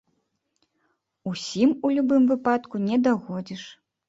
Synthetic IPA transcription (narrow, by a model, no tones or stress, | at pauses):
usʲimulʲubɨmvɨpat̪kunʲɛd̪aɣɔd͡zʲiʂ